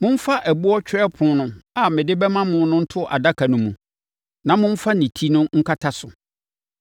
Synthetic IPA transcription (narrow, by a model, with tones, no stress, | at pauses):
mʊ̃˦m̩˦fa˦ʔɛ˨bʊ˦ɔ˦t͡ɕᶣɛ˦pʰʊ̃˨˦nʊ̃˦a˨mɪ̃˨dɪ˦bɛ˦mã˦mʊ̃˦nʊ̃˦n̩˦tʰʊ˦ʔa̰˨da˦kʰa˨nʊ̃˦mũ˨ | nã˨mʊ̃˦m̩˦fa˦nĩ˨tʰi˦nʊ̃˦ŋ̩˦kʰa˦tʰa˦sʊ˨